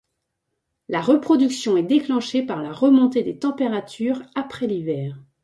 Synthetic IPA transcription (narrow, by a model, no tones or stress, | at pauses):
laʁəpχɔd̪yksjɔ̃ɛd̪eklɑ̃ʃepaʁlaʁəmɔ̃t̪ed̪et̪ɑ̃peʁat̪ʰyːʁapχɛlivɛːʁ